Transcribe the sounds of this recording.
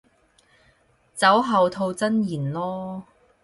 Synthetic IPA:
t͡sɐ˨˥wɦɐ˨wt̪ʰo˧wt͡sɐ˥njiː˨˩nlɔː˥

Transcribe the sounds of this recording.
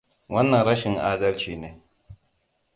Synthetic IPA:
wɐ˦nːɐ˨nɾɐ˦ʃɪ˨ŋʔaː˦dɐ˦lt͡ʃiː˨neː˨˦

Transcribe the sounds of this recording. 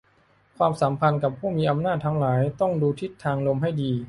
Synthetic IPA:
kʰwaː˧msaː˩˦mpʰa˧nka˨˩pʰuː˥˩miː˧ʔa˧mnaː˥˩t̪ʰːa˧˥ŋlaː˩˦jt̪ɔ˥˩ŋduː˧t̪ʰi˦˥˩t̪ʰːaː˧ŋlo˧mɦa˥˩jdiː˧

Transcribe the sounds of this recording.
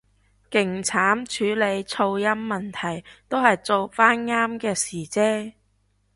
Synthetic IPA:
kɪ˨˩ŋt͡sʰaː˨˥mt͡ʃʰyː˨˧˥le˨˧jt͡sʰo˧wjɐ˥mːɐ˨nt̪ʰɐ˨˩jt̪o˥whɐ˨jt͡so˨˧wfaː˥nŋaː˥mkɛː˧siː˨˩t͡sɛː˥

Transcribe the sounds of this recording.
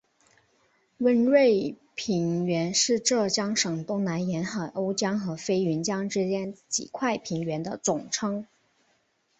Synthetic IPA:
wə˥nɻwe˥˩ɪ | pʰi˧˥nɥɛ˧˥nʂɻ̩˥˧ʈ͡ʂɤ˥˩t͡ɕjɑ˥ŋʂɤ˨˩ŋt̪ʊ˥ŋna˧˥njɛ˧˥nxa˨˩ɪʔo˥ʊt͡ɕjɑ˥ŋxɤ˧˥fe˥ɪy˧˥nt͡ɕjɑ˥ŋʈ͡ʂɻ̩˥t͡ɕjɛ˥nt͡ɕḭ˨˩kʰwa˥˩ɪpʰi˧˥ŋɥɛ˧˥nd̪ə˧t͡sʊ˨˩ŋʈ͡ʂʰɤ˥ŋ

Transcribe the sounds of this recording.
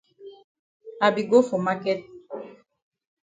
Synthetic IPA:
a˨bi˨ɡo˦fo˨ma˦kɛ˦t̚

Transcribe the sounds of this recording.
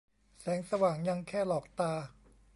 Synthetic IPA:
sɛː˩˦ŋsa˧waː˨˩ŋja˧ŋkʰɛː˥˩lɔː˨˩k̚t̪aː˧

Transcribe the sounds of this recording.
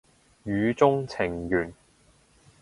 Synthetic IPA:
jyː˨˧t͡sʊ˥ŋt͡sʰɪ˨˩ŋjyː˨˩n

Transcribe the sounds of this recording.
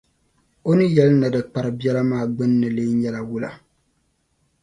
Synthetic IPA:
o˦nɨ˦jɛ˦lɨ˦nɨ˨dɨ˨k͡pa˨ɾɨ˨bɛ˦la˦maː˦˨ɡ͡bɨ˦nː˦ɨ˨le˦ɲɛ˦la˨wu˦la̰˨

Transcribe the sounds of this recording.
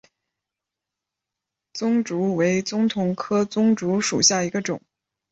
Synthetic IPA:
t͡sʊ˥ŋʈ͡ʂu˧˥we˧˥ɪt͡sʊ˥ŋt̪ʰʊ˧˥ŋkʰɤ˥t͡sʊ˥ŋʈ͡ʂu˧˥ʂṵ˨˩ɕja˥˩i˧˥ɡə˧ʈ͡ʂʊ̰˨˩˦ŋ

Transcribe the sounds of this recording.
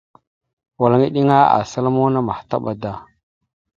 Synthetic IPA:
wa˨la˨ŋi˦ɗi˦ŋa˦a̰˨sa˦lo˦mo˦na˦ma˨hta̰˦ɓa˨da˨

